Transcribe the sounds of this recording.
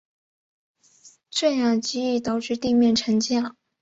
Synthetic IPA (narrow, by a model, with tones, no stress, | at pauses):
ʈ͡ʂə˥˩njɑ˨˩t͡ɕi˥y˥˩t̪ɑ˨˩ʊʈ͡ʂɻ̩˥˧t̪i˥˧mjɛ˥˩nʈ͡ʂʰə˧˥ŋt͡ɕjɑ˥˩